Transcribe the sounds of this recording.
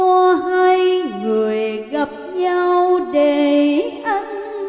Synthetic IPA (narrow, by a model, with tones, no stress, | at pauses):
ɔ˧ɦa˧jŋɨ˨˩əjɣə˨˩p̚ɲa˧wɗe˨˩ʔa˧ŋ̟